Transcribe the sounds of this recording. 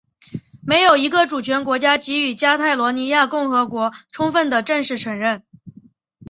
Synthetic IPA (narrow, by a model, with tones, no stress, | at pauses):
me˧˥ɪjo˨˩ʊi˧˥ɡə˧ʈ͡ʂu˨˩t͡ɕʰɥɛ˧˥nkwɔ˧˥t͡ɕja˥t͡ɕi˧˥y˨˩t͡ɕja˥t̪ʰa˥˩ɪlwɔ˧˥ni˧˥ja˥˧kʊ˥˩ŋxɤ˧˥kwɔ˧˥ʈ͡ʂʰʊ˥ŋfə˥˩nd̪ə˩ʈ͡ʂə˥˧nʂɻ̩˥˩ʈ͡ʂʰə˧˥ŋɻə˥˩n